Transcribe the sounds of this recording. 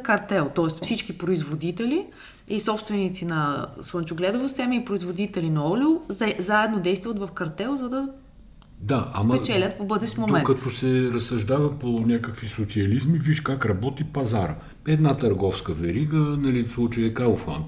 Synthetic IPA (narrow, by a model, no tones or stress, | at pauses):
kɐɾt̪ɛlˠt̪ɔɛst̪fsit͡ʃkipɾoizvod̪it̪ɛli | isɔpst̪vɛnit̪sinɐslˠənt͡ʃʊɡlɛd̪əvosɛmɛipɾoizvod̪it̪ɛlinɐɔlʲoɛzaɛd̪nod̪ɛjst̪vuvət̪vɐfkɐɾt̪ɛlˠzɐd̪ɐ | d̪aʔɐ̰mɐpɛt͡ʃɛlʲət̪fbɤd̪ɛʃt̪momɛnkːɐt̪ɔsɛɾɐsːɐʒd̪avɐponʲakəkvisot̪siɐlizmiviʃkakɾɐbɔt̪ipɐzaɾə̰ | ɛd̪nat̪ɐɾɡɔfskəvɛɾiɡənɐlislˠut͡ʃəjɛkalˠfa̰nt̪